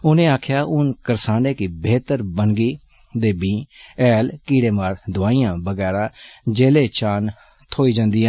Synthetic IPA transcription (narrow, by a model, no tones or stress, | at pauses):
ʊnẽːaːkʰjaːʔʊnkəɾsaːneːkɪbeːt̪əɾbəŋɡiː | d̪eːbĩːɛːlkiːɽeːmaːɾd̪ʊaːiːãːbəɡɛːɾaːd͡ʒeːleːt͡ʃaːn | t̪ʰoːiːd͡ʒãːnd̪iːãː